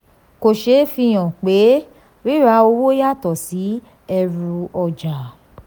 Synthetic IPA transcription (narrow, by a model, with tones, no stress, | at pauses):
ko˨ʃe˧˦fi˧j̃ɔ̃˨k͡pe˨˦ | ɾi˦ɾa˧o˧wo˦ja˦˨tɔ˨si˨˦ | ɛ˧ɾu˧ɔ˧d͡ʒa˨